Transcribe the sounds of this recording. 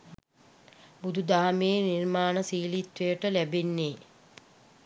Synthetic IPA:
bud̪ʱud̪aːmeːnirmaːnəsiːlit̪ʋejəʈəlæbenːeː

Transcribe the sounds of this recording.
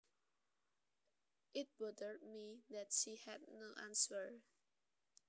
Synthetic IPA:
ʔɪt̚bɔdəɹd̚miðɛtʃihɛd̚ⁿnoʔãnsəɹ

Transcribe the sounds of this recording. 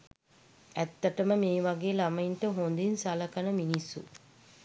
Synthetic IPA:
æt̪ːɐʈəməmeːʋaɡeːlamɐjinʈəɦond̪insalɐkanəminisːṵ

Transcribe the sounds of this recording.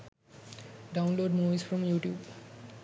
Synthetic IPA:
ɖaʊ̃nloːɖmuʋizfɾɔ̃mjuːʈjuːb

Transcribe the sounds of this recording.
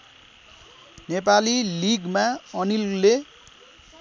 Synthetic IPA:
nepaliliɡmaʌnillːe

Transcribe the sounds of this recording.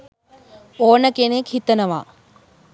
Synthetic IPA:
oːnəkenekhit̪ənəʋa̰ː

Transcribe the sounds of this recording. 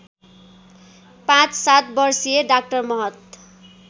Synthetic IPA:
pãt͡ssat̪̚bʌrsijeɖak̚ʈʌrmʌɦʌt̪

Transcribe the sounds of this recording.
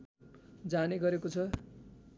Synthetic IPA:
d͡zaneɡʌɾekot͡sʰʌ

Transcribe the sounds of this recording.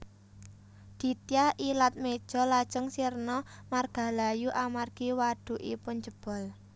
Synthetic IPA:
d̪̥i̤t̪ijaʔilat̪̚med̥ʒ̥ɔ̤lad̥ʒ̥əŋsirnɔmarɡ̥a̤lajuʔamarɡ̥iwaɖ̥ṳʔḭpʊnd͡ʒə̤b̥ɔ̤l

